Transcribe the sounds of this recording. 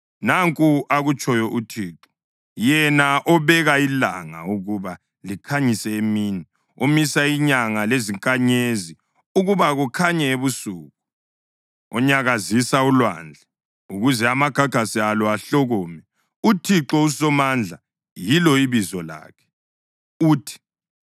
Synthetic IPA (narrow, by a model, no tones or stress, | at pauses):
naŋkʼuʔaɣut͡ʃʼɔjɔʔutʰiːǁɔ̥ | jɛnaʔɔβɛɣaila̰ŋa̰uɣuβa | likʰaɲisɛemiːni | omisaiɲaŋaleziŋkʼaɲezi | uɣuβaɣukʰaɲɛeβusuːɣu | ɔ̰ɲaɣazisaulwa̰nd͡ɮʱɛ | uɣuzɛamaɡ̥ʱaɡ̥ʱasialɔaɬɔɣɔmɛ | utʰiǁɔusɔmand͡ɮʱa | jilɔiβizɔla̰ːkʰɛ̥ | uːtʰi̥